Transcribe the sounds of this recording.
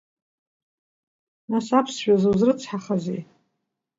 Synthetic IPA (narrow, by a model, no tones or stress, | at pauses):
nasapʰsʃᶣazɨwzrɨt͡sʰħaχazḛ